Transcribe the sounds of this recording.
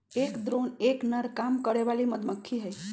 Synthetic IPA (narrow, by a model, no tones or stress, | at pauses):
ekd̪ɾoneknəɾkamkəɾeʋaliməd̪məkʰːiɦəj